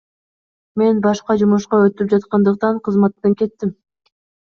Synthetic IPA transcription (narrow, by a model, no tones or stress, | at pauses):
me̞nbɑʃqɑd͡ʒumuʃqɑøt̪yp̚d͡ʒɑt̪̚qɑnd̪ɯq̚t̪ɑɴqʰɯzmɑt̪ːɑŋke̞t̪ːim